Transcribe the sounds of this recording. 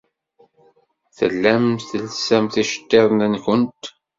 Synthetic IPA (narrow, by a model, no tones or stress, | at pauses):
θə̰lːæmθəlsæmθiʃə̥t̪ːeðˤnænçənt̪